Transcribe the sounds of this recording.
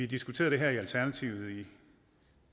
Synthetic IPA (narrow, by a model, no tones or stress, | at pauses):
id̥isɡ̥u̥t͡sʰe̝ːðˠd̥e̝ɦæɐiælt͡sʰæɐnæt͡sʰiʊð̩ˠi